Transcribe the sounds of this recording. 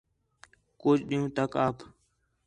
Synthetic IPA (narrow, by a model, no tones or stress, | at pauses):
koːd͡ʒɗijũːt̪əkaːpʰ